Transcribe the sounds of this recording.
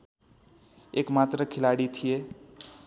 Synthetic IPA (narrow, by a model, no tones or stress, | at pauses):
ekmat̪ɾəkʰilaɽit̪ʰije